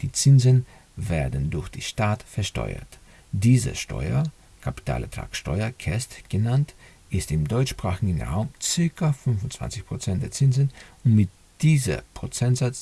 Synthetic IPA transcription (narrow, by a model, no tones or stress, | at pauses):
d̥iːt͡sɪnzən | veːɐdn̩dʊɐçd̥ḭːʃtaːtfɛɐʃtɔ̰ʏɐ̰t | d̥iːzə̰ʃtʰɔ̰ʏɐ | kʰapi̥tʰa̰ːlɛɐtʁ̥a̰ːksʃtɔʏɐkʰɛstɡ̥ənant | ʔɪstɪmdɔʏt͡ʃʃpʁ̥aːxɪɡn̩ʁa̰ʊmt͡sɪɐkʰɐfʏnfʊnt͡sv̥a̰nt͡sɪçpʁ̥ot͡sɛnt̚d̥eːɐt͡sɪnzənʊntmɪt̚ | d̥iːzɐ̰pʁ̥ot͡sɛntz̥at͡s